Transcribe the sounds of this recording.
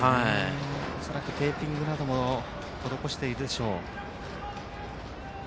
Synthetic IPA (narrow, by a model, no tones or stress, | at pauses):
haioso̞ɾakɯ̟t̪e̞ːpʲːĩŋɡɯ̟nad̪o̞mo̞ | t̪od̪o̞ko̞ɕi̥t̪e̞iɾɯd̪e̞ɕo̞ː